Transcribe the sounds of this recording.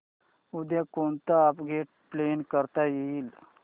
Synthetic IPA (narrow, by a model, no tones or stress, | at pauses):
ud̪jakont̪aːpɡeʈ̚plenkəɾt̪ajeiːl